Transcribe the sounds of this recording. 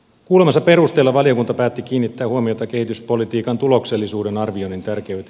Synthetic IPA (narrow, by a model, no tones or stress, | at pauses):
kuːlemɑsːɑpe̞rust̪e̞ːlːɑʋɑlio̞kunt̪ɑpæːt̪ːik̟iːnːit̪ːæːhuomio̞t̪ɑke̞hit̪yspo̞lit̪iːkɑnt̪ulo̞kse̞lːisuːdenɑrʋionint̪ærkeyt̪